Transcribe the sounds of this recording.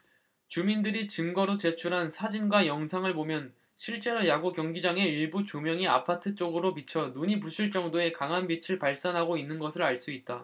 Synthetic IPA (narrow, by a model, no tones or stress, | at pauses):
t͡ɕumindɯɾit͡ɕɯmɡʌɾot͡ɕe̞t͡ɕʰuɾɦansʰad͡ʑinɡwajʌŋsʰaŋɯɭpomjʌn | ɕʰiɭt͡ɕ͈e̞ɾojaɡokjʌŋɡid͡ʑaŋe̞iɭbut͡ɕomjʌŋia̰pʰatʰɯt͡ɕ͈oɡɯɾopit͡ɕʰʌnuɲipusʰuɭt͡ɕ͈ʌŋdoe̞kaŋɦanbit͡ɕʰɯɭpaɭs͈anɦaɡoinːɯnɡʌsʰɯɾaɭs͈uit̚t͈a